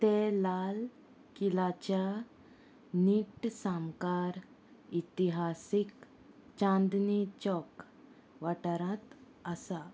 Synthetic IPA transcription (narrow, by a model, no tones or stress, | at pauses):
t̪elal | kilat͡ɕa | niʈsamkaɾ | it̪iɦasik | t͡ɕãnd̪nit͡ɕɔk | ʋaʈaɾãt̪ | əsa